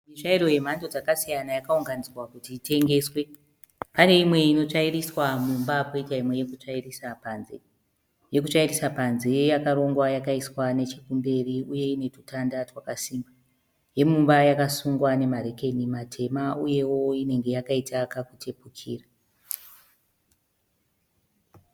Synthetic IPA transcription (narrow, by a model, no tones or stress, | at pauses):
miʃaiɾo̞je̞m̤ando̞d͡zakasijanajakauŋɡanid͡zirwakutiːte̞ŋɡe̞ːswe̞ | pane̞imwe̞ino̞t͡ʂairiswamumbapoitaimwe̞jekut͡ʂairisapanze | je̞kut͡ʃairisapanzejejakaɾo̞ŋɡwajakaiswane̞t͡ʃekumbe̞riuje̞ine̞tutandatwakasimba | je̞mumbajakasuŋɡwane̞maɾe̞ke̞nimatʰe̞mauje̞wo̞ine̞ŋɡe̞jakaitakakutʰe̞pukʰḭːra